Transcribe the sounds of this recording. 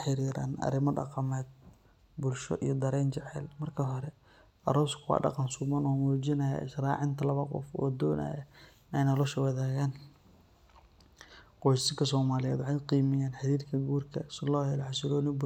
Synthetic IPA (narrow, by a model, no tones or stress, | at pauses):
ħɪɾiːɾa̰ːnɐ̰ɾɪmɐɖɑ̰qɑmɛːd̪̚ | bʊlʃɔ̰ʔijɞd̪ɐɾɛːnt͡ʃɛʕɛ̰lmɐrkʰɐɦɔɾɛ | ʔɐɾɔːskʰʊwɑ̰ːɖɑ̰qɑnsʊmɐnɔːmuːt͡ʃɪnɐja̰ɪʃrɑːʕɪnt̪ʰɐlɐβɐqɔ̰fɔːd̪ɔːna̰jɐ̰ | ɛjnɐlɔʃɐwɑðaːɣaːn | qɔjsɪɡʰɐsɔːmaːlɪjɛ̰ːd̪wʕɑqiːmɪjaːnħɪɾiːrkʰɐɡuːrkʰɐslɑːlʕɑsɪɾɔːnɪbʊ